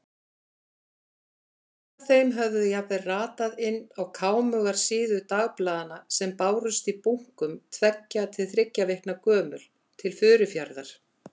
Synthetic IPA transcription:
θejmɦœvðʏjapɪraːt̪aðɪnːawkʰaːwmœɣaɾ̥siːðʏt̪aːɣplaːðanasɛmpaːwɾʏst̪ipuŋ̥kʏmt̪ʰvɛcːat̪ʰɪlθɾɪcːavɪhknakœːmʏl | t̪ʰɪlfʏːɾʏfjaɾðaɾ̥

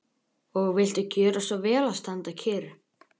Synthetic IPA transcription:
ɔɣvɪl̥t̪ʏcœːɾasɔvɛːlast̪ant̪acʰɛːɾʏ

